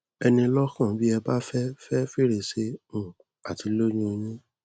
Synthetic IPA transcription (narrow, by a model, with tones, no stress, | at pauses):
ɛ˧nĩ˧lɔ˦kã˦˨bi˦ɛ˧ba˦fɛ˦fɛ˦fi˦˨ɾe˨se˧ũ˨ | a̰˨ti˨˦lo˦ɲũ˦o˧j̃ĩ˦